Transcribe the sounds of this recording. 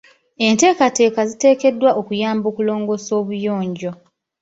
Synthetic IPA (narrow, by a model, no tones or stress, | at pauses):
e̞nte̞ːkate̞ːkazite̞ːke̞dːwaʔokujaːmbo̞ːkulo̞ːŋɡo̞so̞ːβujo̞ːɲɟo̞